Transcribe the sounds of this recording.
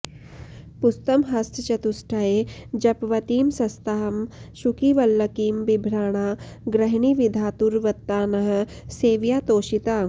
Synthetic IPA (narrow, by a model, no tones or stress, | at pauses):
pust̪ɐmɦɐst̪t͡ʃɐt̪usʈʰajed͡ʒɐpʋɐt̪iːmsɐst̪aɦɐmʃukiʋɐlːɐkiːmbibʱɾaːɳ̃aː | ɡɾɐɦɳiʋid̪ʱaːt̪uɾʋɐt̪ːaːnɐɦɐ̆ | seːʋjaːt̪oːʃit̪aː